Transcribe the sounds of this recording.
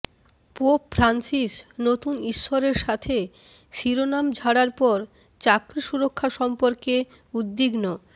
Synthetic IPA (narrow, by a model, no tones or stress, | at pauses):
popfʰɾansiʃnot̪uniʃːoɾeɾʃat̪ʰe | ʃiɾonamd͡ʑʱaɽaɾpɔɾ | t͡ɕakɾiʃuɾokʰːaʃɔmpoɾke | ud̪ːiɡno